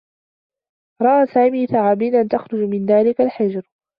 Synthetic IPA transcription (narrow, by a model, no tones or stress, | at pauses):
ɾˤɑʔaːsaːmiːθaʕaːbiːnʔant̪axɾˤʊd͡ʒmɪnðaːlɪkalħɪd͡ʒɾ